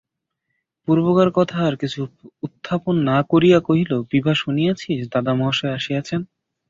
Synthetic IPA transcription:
puɾbokaɾkɔt̪ʰaːɾkit͡ɕʰuut̪ʰːaponːakoɾijakoɦilobibʱaʃunijat͡ɕʰiʃd̪ad̪amɔɦʃoeaʃiat͡ɕʰen

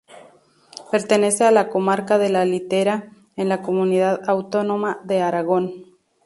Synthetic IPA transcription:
pe̞ɾt̪e̞ne̞sealako̞maɾkaðe̞lalit̪eɾa | enlako̞muniðaðawt̪o̞no̞maðe̞aɾaɣ̞o̞n

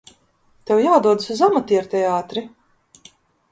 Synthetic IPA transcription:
t̪ɛwjaːd̪uɔd̪ɨsuzamat̪iɛɾt̪ʲɛaːt̪ɾi

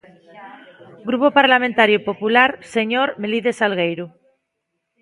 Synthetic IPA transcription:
ɡɾupopaɾlamẽnt̪aɾjopopulaɾseɲoɾmeliðesalɣejɾu

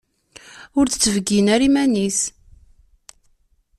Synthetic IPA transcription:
ʊɾt͡st͡sːəvɡinæɾimænis

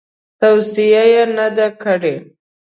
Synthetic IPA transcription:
t̪awsijajenad̪akəɽe

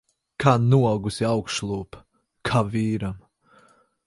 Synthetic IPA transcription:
kanuɔɡusiawkʃlˠuːp | kʰaviːɾam

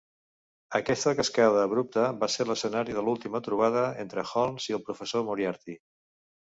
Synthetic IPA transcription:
əkɛst̪əkəskaðəːβɾup̚t̪əβaseɾləsənaɾiðəlulˠt̪imət̪ɾuβ̞aðəent̪ɾəxɔlˠnziəlˠpɾufəsomuɾiaɾt̪i

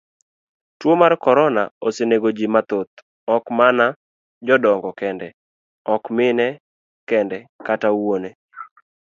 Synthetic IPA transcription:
twomarkɔɾɔna̰oseneɡod͡ʒimat̪ot̪̚ | ɔkmana | d͡ʒɔdɔŋɡɔkɛndɛ | ɔkmɪnɛ | kɛndɛkatawone

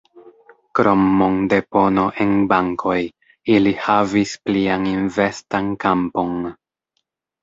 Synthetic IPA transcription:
kɾo̞mːo̞nde̞po̞no̞ʔe̞nbaŋkʰo̞j | ilihavisplianinve̞stankampo̞n

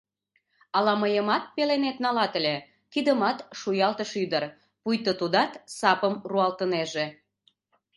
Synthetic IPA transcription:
ɑlɑməjəmɑt̪̚pelenet̪nɑlɑt̪əlʲe | kid̪əmɑt̪ʃujɑlt̪əʃyd̪ər | pujt̪ot̪ud̪ɑt̪sɑpəmruɑlt̪əneʒe

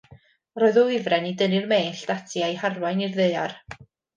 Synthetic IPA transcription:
rɔːɨðɔɪvrɛnidənɨrmeːɬd̥atʰiajharwajnirðeɨar

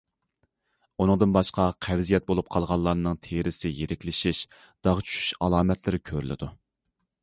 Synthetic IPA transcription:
unɨŋd̪ɨnbɑʃqɑqʰɛvzijɛt̪̚bolˠup̚qʰɑlˠʁɑlˠːɑɾnɨŋt̪ʰeɾɪsɪjeɾɪkʲlɪʃiʃ | d̪̥ɑʁt͡ʃʰy̥ʃy̥ʃɑlˠɑːmɛt̪ʰlɪɾɪkʲʰøɾy̰lɪ̰d̪u

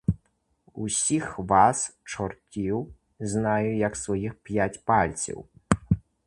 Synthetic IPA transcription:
usʲixvast͡ʂɔrkʲiw | znajujɐksvɔjixpʲjat͡sʲpalʲt͡sʲḭw

